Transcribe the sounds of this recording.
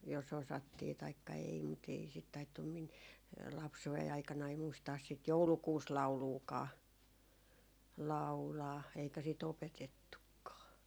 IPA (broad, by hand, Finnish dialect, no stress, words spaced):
jos osɑtːiː tɑikːɑ ei mut ei sit tɑitːum min lɑpsuei ɑikɑnɑi muistɑːs sit joulukuːslɑu̞luːkɑː lɑu̞lɑː eikæ sit opetetːukːɑː